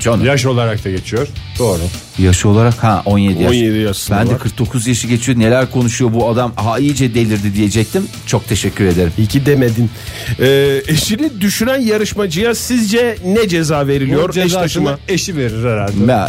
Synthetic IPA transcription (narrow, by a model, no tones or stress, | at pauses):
t͡ʃʰonjaʃ̬o̞lˠaɾak̚t̪aɟe̞t͡ʃʰijoɾ̥d̪̥o̞ːɾu | jaʃɯo̞lˠaɾakhɛʔo̞nje̞d̪ijanjed̪ijasbænd̪ɛkʰɯɾk̚d̪o̞kʰuzjaʃɯɟe̞t͡ʃʰijo̞ne̞lʲæɾkʰo̞nuʃujo̞buad̪amhaijd͡ʒɛd̪e̞lʲiɾd̪id̪ije̞d͡ʒɛc̚t̪ʰim | t͡ʃʰo̞k̚t̪ʰe̞ʃɛcʰʲːyɾe̞d̪e̞ɾimicʰid̪emed̪in | ɛːeʃinid̪yʃynænjaɾɯʃmad͡ʒɯjasizd͡ʒɛnɛd͡ʒe̞zaːve̞ɾilijoɾd͡ʒɛʃaaʃɯnaeʃive̞ɾiɾæɾalʲd̪ɛɛ